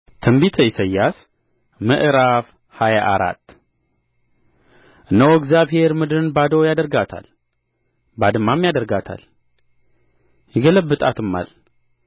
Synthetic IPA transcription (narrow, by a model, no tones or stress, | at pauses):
t̪ʰəmbit̪ʰəjɪsəjːas | mɨʔɾaf | hajaʔaɾa̰t̪ː | ʔɨnːəwɛɡzjaβhe̞ɾmɨd̪ɨɾɨnbad̪əwjad̪əɾɡat̪ʰa̰l | bad̪ɨmːamjad̪əɾɡat̪ʰa̰l | jɪɡələbːɨt̪ʼat̪ɨmːa̰l